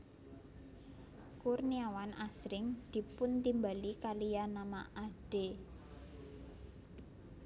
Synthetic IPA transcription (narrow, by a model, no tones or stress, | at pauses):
kurniawanʔasɾɪŋd̪̥i̤pʊnt̪imbalikalijanama̰ʔaɖ̥e